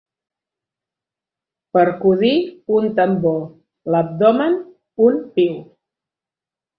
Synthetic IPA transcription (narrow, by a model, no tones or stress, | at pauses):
pəɾkuðiunt̪əmbo | ləp̚d̪ɔmən | unpiw